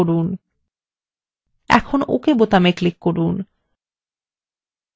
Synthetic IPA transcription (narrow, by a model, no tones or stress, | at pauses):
oɾun | ɛ̰kʰono̰kebot̪ameklikːoɾun